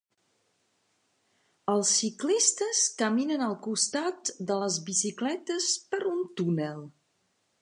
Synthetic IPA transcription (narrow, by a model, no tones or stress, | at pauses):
əlˠsːiklist̪əskəminənəlˠkust̪at̪d̪ələzβisiklɛt̪əspəɾunt̪unəlˠ